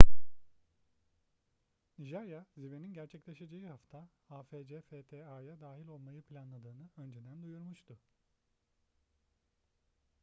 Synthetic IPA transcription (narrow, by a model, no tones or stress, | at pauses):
ʒajazibeninɟæɾt͡ʃʰɛclʲeʃed͡ʒejihaft̪ʰaaːfed͡ʒefeːt̪ʰeajad̪aːɦilʲo̞lˠmajɯpʰlʲanlˠad̪ɯːnɯø̞nd͡ʒed̪ænd̪ujuɾmuʃt̪ʰʊ